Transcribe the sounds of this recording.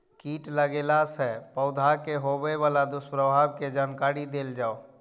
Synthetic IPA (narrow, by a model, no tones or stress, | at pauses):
kiːʈləɡeːlasɛpəʊd̪ʱakeɦobeʋaːlad̪ʊspɾəbʱaːbked͡ʒaːnkaːɾid̪eːld͡ʒaːo